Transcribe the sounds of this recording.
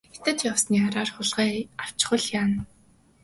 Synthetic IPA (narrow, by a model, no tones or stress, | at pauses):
et̪ə̆t̪jawsniːaɾaːrχʊɮʁiːaw̥t͡ɕχə̆ɮjaːn